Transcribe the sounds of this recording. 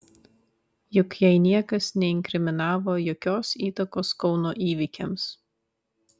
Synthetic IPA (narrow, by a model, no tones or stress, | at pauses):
jʊkjɛɪnʲiɛkɐsnʲɛɪŋʲkɾʲɪmʲɪnɑːʋoːjoːkʲoːsiːt̪ɐkoːskɒʊnoːʔiːʋʲɪkʲɛms